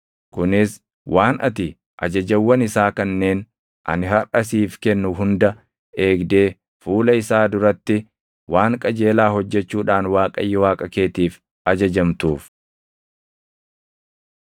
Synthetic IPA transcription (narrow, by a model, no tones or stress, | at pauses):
kʊnɪs | waːnɐ̰t̪ɪ | ʔɐ̰d͡ʒɐd͡ʒɐwːɐnɪsaːkɐnːeːn | ʔɐ̰nɪɦɐrɐsiːfkɛnːʊɦʊnd̪ɐ | e̞ːɡd̪e̞ː | fuːlɐɪsaːd̪ʊɾɐt̪ːɪ | waːŋkʼɐd͡ʒe̞ːlaːhɔd͡ʒːɛt͡ʃːuːᶑaːnwaːkʼɐ̰jːɪwaːkʼɐke̞ːt̪iːf | ɐd͡ʒɐd͡ʒɐmt̪uːf